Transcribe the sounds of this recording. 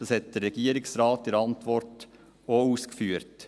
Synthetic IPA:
osɛt̪̚d̪əɾɛɡiːəɾɪksɾɑːt̪ɪɾɑnt̪ʋɔɾt | oːuːskfyːɾt

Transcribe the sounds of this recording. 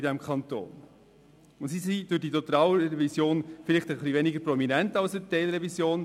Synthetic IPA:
idɛmkχɑnto̰ːn | ʊns̬isid̥ʊditot̪ɾaːwəɾɾɛvisjoːnfɪlɪχtəχlivɛnɪɡəɾprɔminɛntɑlsətɛɪlɾɛvisjoːn

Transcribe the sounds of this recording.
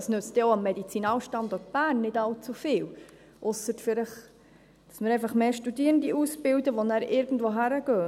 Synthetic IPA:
ɑsnʉt͡st̪ɛoɑmːɛdit͡sinɑːlʃtɑnd̪ɔt̚b̥æːrnːɪdɑlt͡sufɪːl | ʔʊsːətfɪləχ | d̥ɑ̥smɪɾɛɪfɑχmeːʃtudiəɾəndiʔusbɪldəʋonæːɾʔɪɾɡən̩dʋoɦæɾəɡøː

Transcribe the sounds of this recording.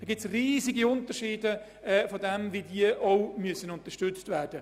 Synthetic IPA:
dɔːɡɪt͡sriːziɡiʊntəʃiːdə | ɛfodɛmvidiəʔɔʊmyəsənʊntəʃtʏt͡stvæːd̥ə

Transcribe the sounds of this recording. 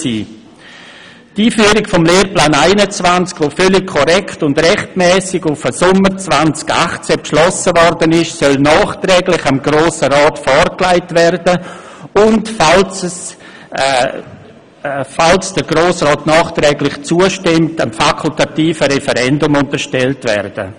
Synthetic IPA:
siː | tiːfyːəɾɪkfɔmleːrplaːnaɪnət͡svant͡skʋofœlɪkkʰːɔɾɛkʰtʊndɾɛχtmɛːsɪɡʊfəsʊməɾt͡svant͡ska̰χt͡sepʃlɔsəvɔɾdənɪʃsœlnɑːχtɾɛːɡlɪχamɡɾoːsəɾɑːtfɔɾklaɪtvɛrdə | ʊntfals | falsd̥əɾɡɾoːsrɑːtnɑːχtɾɛːɡlɪχt͡suəʃtɪmtamfakʰʊltatiːfəɾɛfəɾɛndʊmʊntəɾʃtɛltvɛ̰rd̥ə̰

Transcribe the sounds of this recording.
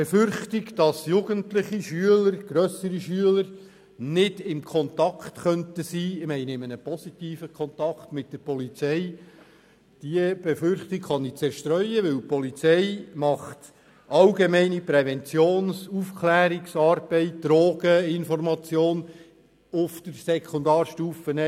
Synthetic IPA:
b̥ɛfʏɾχtɪɡd̥ɑsjuɡəntlɪχiʃyələɾɡ̥ɾœsəɾiʃyələɾ | nɪdɪmkʰɔnt̪ɑkʰtχœntəsiːɪmɛɪnɪmənəpɔsitiːfəkʰχɔntɑkχtmɪt̚d̥əɾpɔlit͡sɛɪ | d̥iəb̥ɛfʏɾχt̪ɪkχɑnɪt͡sɛɾʃtɾœʏəʋɪlpɔlit͡sɛɪmɑχt | ɑlɡemɛɪnipɾɛvɛnt͡sjoːnsufkʰlæːɾɪksɑːrb̥ɛɪt̚d̥ɾoːɡ̥əɪnfɔrmɑt͡sjoːn | ʊfd̥əɾsɛkʰʊndɑːrʃtuːfənɛ

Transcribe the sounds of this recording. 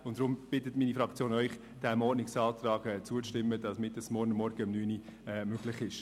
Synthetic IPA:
ʊntd̥ɾʊmb̥ɪtətmiːnifɾɑkt͡sjoːnœʏχ | d̥æmɔɾnɪksɑːt̪rɑːɡɛːt͡suət͡sʃtɪmːədɑsmɪtɛsmɔrnəmːɔɾɡ̥əəmnyːniɛːmøɡ̥lɪχɪʃ

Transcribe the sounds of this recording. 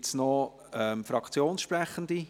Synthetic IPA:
tsnɔ | ɛmfɾɑkt͡sjoːnsʃpɾɛχənd̪i

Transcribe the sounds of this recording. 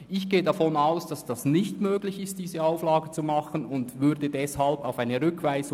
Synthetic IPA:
ʔɪçɡ̥eːədafɔnaʊsd̥ɑsd̥ɑsnɪçtmøːɡlɪçɪst̚d̥iːzəaʊflɑːɡət͡sumɑχənʊndvʏʁdədɛshɑlbaʊfaɪnəʁʏkʰvaɪz

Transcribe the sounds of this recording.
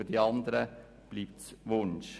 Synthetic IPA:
ɖiːɑnd̪ɾə | b̥liːp̚t̪sʋʊnʃ

